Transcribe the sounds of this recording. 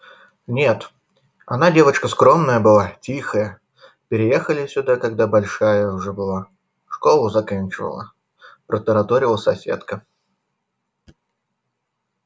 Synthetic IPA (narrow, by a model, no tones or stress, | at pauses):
nʲe̞t̪ | ɐ̰nadʲe̞vət͡ɕkəskɾo̞mnəjəbɨlˠatʲixəjə | pʲɪɾʲɪje̞xəlʲɪsʲʊd̪akɐɡ̚d̪abɐlʲʂajəʊʐɛbɨlˠa | ʂko̞lˠʊzɐkanʲt͡ɕɪvə̰lˠə̰ | pɾət̪əɾɐt̪oɾʲɪlˠəsɐsʲe̞̰t̪kə